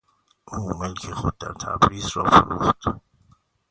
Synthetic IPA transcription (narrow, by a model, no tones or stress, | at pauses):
ʔuːmelkʰeχod̪̚d̪æɾt̪ʰæ̰bɾiːsɾɒːfo̰ɾṵːχt̪